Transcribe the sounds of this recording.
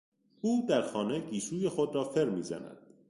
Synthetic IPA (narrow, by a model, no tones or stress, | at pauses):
uːd̪æɾxɒːneɟiːʃuːjexod̪ɾɒːfeɾmiːzæ̰næ̰d̪̥